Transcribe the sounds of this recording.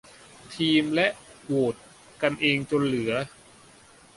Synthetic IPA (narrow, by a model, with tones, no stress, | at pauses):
t̪ʰiː˧mlɛ˦˥ʔwoː˨˩t̪̚ | ka˧nʔeː˧ŋt͡ɕo˧nlɯ˩˦ɐ